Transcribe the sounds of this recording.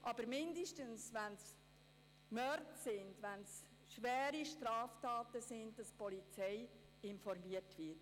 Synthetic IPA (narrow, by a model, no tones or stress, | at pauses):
ʔɑb̥əɾmɪndiʃtənsʋæns | mœɾtsɪndʋæns | ʃʋɛːɾiʃtɾɑːftɑːtəsɪndd̥ɑspɔlit͡sɛɪ | ɪnfɔɾmiətvɪt